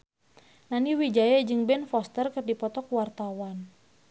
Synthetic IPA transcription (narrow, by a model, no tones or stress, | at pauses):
naniwid͡ʒajad͡ʒɨŋbɛnfɔst̪ərkɨrdipɔt̪ɔkwart̪awan